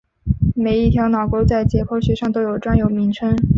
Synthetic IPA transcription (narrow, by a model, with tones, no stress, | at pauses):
me˨˩ɪi˥˩t̪ʰjɑ˧˥ʊnɑ˨˩ʊkwo˥t͡sa˥˩ɪt͡ɕjɛ˨˥pʰo˥ʊɕɥɛ˧˥ʂɑ˥˩ŋt̪o˥ʊjo˨˩ʊʈ͡ʂwa˥njo˨˩ʊmi˧˥ŋʈ͡ʂʰə˥ŋ